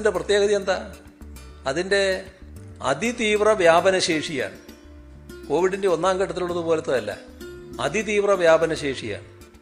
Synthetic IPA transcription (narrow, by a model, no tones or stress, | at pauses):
nde̞prɐt̪jeːɣɐðiend̪aː | ɐðinde̞ | ɐ̰d̪it̪iːʋrɐʋjaːbɐnɐɕeːʂija̰ːɳ | ko̞ːʋiɽinde̞o̞nːaːŋkɐʈ̬ːɐt̪ːiluɽɐðupo̞ːlet̪ːoːɐlːɐ̰ | ɐ̰d̪it̪iːʋrɐʋjaːbɐnɐɕe̞ːʂija̰ːɳ